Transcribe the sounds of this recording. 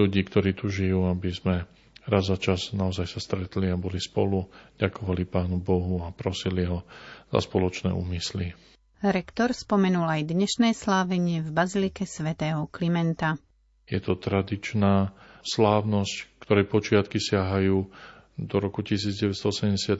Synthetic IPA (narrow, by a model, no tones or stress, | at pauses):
uɟiːkt̪ɔɾiːt̪uʒijuːabizmɛ | ɾazːat͡ʃaznaɔzajsast̪ɾɛt̪liabɔlispɔluɟakɔʋalipaːnubɔɦuapɾɔsiliɦɔz̥a̰spɔlɔt͡ʃnɛ̰ːṵːmisli | ɾɛkt̪ɔɾspɔmɛnulajd̪ɲɛʃnɛːslaːʋɛɲɪɛvbazilikɛsʋɛt̪ɛːɦɔklimɛnt̪a | jɛt̪ɔt̪ɾad̪it͡ʃnaːslaːʊnɔsckt̪ɔɾɛjpɔt͡ʃɪat̪kisɪaɦajuː | d̪ɔɾɔkucisiːd͡zɟɛʋɛst̪ɔɔsɛmɟɛsad̪